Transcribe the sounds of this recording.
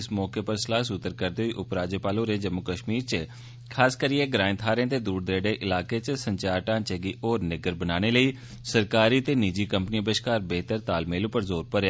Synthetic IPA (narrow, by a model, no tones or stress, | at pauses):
ɪsmɔːkeːpəɾslaːsʊt̪ːəɾkəɾd̪eːɦoiːʔʊpɾaːd͡ʒeːpaːlõːɾẽːd͡ʒəmːʊkəʃmiːɾt͡ʃə | kʰaːskəɾiːeːɡɾãːɪnt̪ʰaːɾẽːt̪eːd̪uːɾd̪ɾeːɽeːʔɪlaːkeːt͡ʃsəɲt͡ʃaːɾʈãːt͡ʃeːɡiːʔoːɾnɪɡəɾbənaːñeːləiː | səɾkaːɾiːt̪eːniːd͡ʒiːkəmpəniːəbəʃkaːɾbeːt̪əɾt̪aːlmeːlũːpəɾzoːɾpəɾe